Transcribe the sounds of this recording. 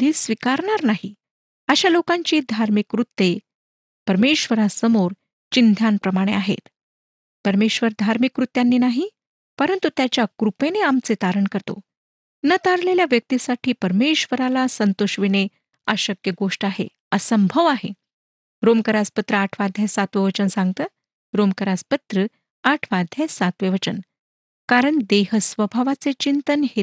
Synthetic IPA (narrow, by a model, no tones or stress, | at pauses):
d̪ʱiːsʋikaɾɳaɾnaɦi | əɕalokãɲt͡ɕiːd̪ʱaɾmikɾut̪ːe | pəɾmeɕʋəɾasəmoɾ | t͡ɕind̪ʱjanpɾəmaɽ̃ḛaɦḛt̪ | pəɾmeɕʋəɾd̪ʱaɾmikɾut̪janːiːnaɦi | pəɾənt̪ut̪jat͡ɕjakɾupeneamt͡set̪aɾəɳkəɾt̪o̰ | nət̪aɾleljaʋjək̚t̪isaʈʰiːpəɾmeɕʋəɾalasənt̪oɕʋine | aɕəkjəɡoʂʈaɦḛ | əsəmbʱəʋaɦe | ɾomkəɾaspət̪ɾəaʈʰʋad̪ʱjasat̪ʋeʋət͡ɕənsãŋɡ̚t̪əː | ɾomkəɾaspət̪ɾə | aʈʰʋad̪ʱjasat̪ʋeʋət͡ɕən | kaɾəɳd̪ehəsʋəbʱaʋat͡set͡ɕint̪ənhe